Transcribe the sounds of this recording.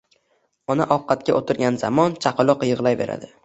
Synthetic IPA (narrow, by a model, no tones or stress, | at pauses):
ɒnaʔɒqʰːɑt̪̚kʲaʔot̪ʰɪɾɡʲanza̰mɒnt͡ʃʰaqɨlˠɒqjɨʁlˠajve̞ɾa̰d̪ɪ